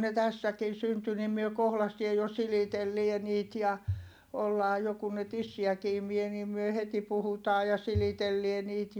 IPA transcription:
ne tæsːækin̞ synty nim myø kohlɑstie jo silitelːie niːt jɑ olːɑː jo kun ne tisːiæki imie niːm myø heti puhutɑː jɑ silitelːie niːt

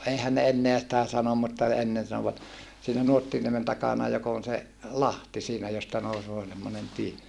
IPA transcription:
eihæn ne enːeæ sitæ sɑnom mutːɑ enːen sɑnoʋɑt siːnæ nuotːiniemen tɑkɑnɑ jok on se lɑhti siːnæ jostɑ nousoː semːonen tie

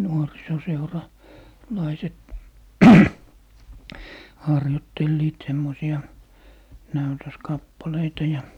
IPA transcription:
lɑiset hɑrjotːelːiːt semːosiɑ næytøskɑpːɑleitɑ jɑ

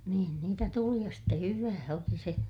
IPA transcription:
niːn niːtæ tuli jɑ ste hyʋæː oli se

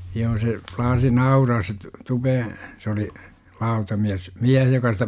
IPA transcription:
joː se plɑːsi nɑurɑːs se t tupeːẽ sĕ oli lɑutɑmiæs miæh jokɑ sitæ

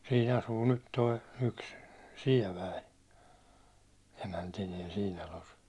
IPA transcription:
siːn ɑsuː nyt toi yks siɛʋæi emæntiniɛ siːn tɑlos

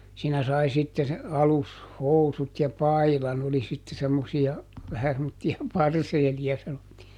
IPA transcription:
siːnæ sɑi sitːe ɑlushousut jɑ pɑilɑn oli sitːe semːosiɑ ʋæhæ semːotːiɑ pɑrseːliɑ sɑnotːiː

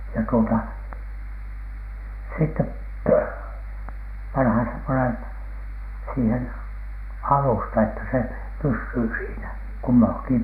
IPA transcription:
jɑ tuotɑ sitːep pɑnhɑn semːonen siːhen ɑlustɑ etːæ se pysːyː siːnæ kumːɑŋki

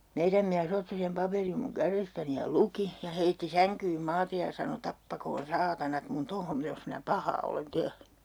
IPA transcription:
meiræm miæs otːi sem pɑperim muŋ kærestæni jɑ luki jɑ heitːi sæŋkyːm mɑːtej jɑ sɑno tɑpːɑkoːn sɑːtɑnɑt mun tohom jos minæ pɑhɑː olen tehny

